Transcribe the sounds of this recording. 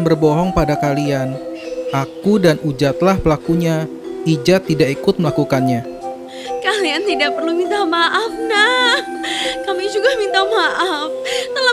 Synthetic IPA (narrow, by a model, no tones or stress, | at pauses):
nbərbɔɦɔŋpadakalianʔakudanʔud͡ʒat̪lahpəlakuɲa | id͡ʒat̪ːidaʔikʊt̪̚məlakukanɲa | kaliant̪idaʔ̚pərlumint̪amaʔafna | kamid͡ʒuɡahmint̪amaʔaft̪əla